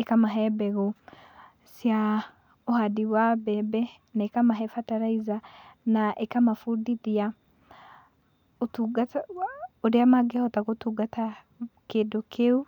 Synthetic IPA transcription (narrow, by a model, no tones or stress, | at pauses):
ekamaɦɛbɛɣɔ | sja | ohadiwabɛbɛ | naekamaɦɛfataɾaizanaʔekamafudiðia | otuɡatoɾeamaɡeaɔtaɣotuɡata | kedokʰeu